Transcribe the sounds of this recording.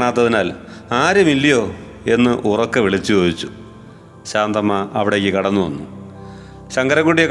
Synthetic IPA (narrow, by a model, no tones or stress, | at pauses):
ɳaːt̪̬ːɐðinaːlaːɾɐmilːijo̞ː | e̞nːɨʔurokːeʋiɭit͡ɕːut͡ɕoːjit͡ɕːu | ɕaːnd̪ɐmːɐɐʋiɽekʲːɨkɐɽɐnːuʋɐ̰nːu | ɕɐŋɡɐɾɐkːuɽijɐk